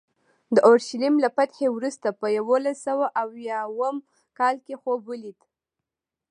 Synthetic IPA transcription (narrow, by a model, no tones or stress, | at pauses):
d̪əʔoɾʃalimlapat̪xewɾust̪apəjawolasawaʔawjɑwəm | kɑlkexobəlid̪